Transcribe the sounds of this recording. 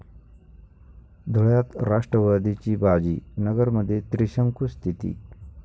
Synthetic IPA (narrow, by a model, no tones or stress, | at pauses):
d̪ʱoɭjat̪ɾaʂʈɾəʋad̪ʱit͡ɕiːbad͡ʑiːnəɡəɾməd̪ʱːjet̪ɾiɕəŋkust̪ʰit̪ḭː